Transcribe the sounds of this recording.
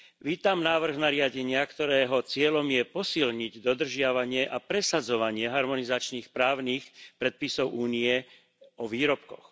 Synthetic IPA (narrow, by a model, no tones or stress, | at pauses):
ʋiːt̪amnaːʋr̩ɣnaɾɪaɟɛɲɪakt̪ɔɾɛːɦɔt͡sɪɛlɔmjɛpɔsilɲiɟd̪ɔd̪r̩ʒɪaʋaɲɪɛʔapɾɛsad͡zɔʋaɲɪɛɦaɾmɔnizat͡ʃniːxpɾaːʊniːxpɾɛt̪̚pisɔʊʔuːniɛ | ɔʋiːɾɔp̚kɔx